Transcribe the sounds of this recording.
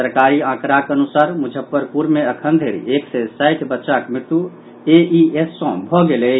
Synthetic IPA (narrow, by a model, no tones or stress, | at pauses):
əɾkaːɾiãːkɾaːkənʊsaːɾmʊd͡ʒʱəpːəɾpuɾmẽəkʰə̃nd̪ʱeɾḭeːksesaːɪʈʰbətːʃakmɾɪt̪u | eʔiesːɔ̃ːbʱɔɡele